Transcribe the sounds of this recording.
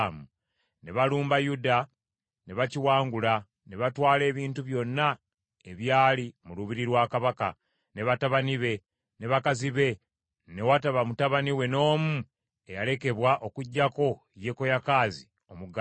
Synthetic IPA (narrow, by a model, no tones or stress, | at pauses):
mu | ne̞βaluːmbajuda | ne̞βaciwaːŋɡula | ne̞βatwaːle̞ːβiːntuβjo̞nːa | eβjaːlimuluβiɾiɾwaːkaβaka | ne̞βataβaniβe̞ | ne̞βakaziβe̞ | ne̞wataβamutaβaniwe̞no̞ːmu | e̞jale̞ke̞βwaʔo̞kuɟːako̞ | je̞kojakaːzi | o̞muɡa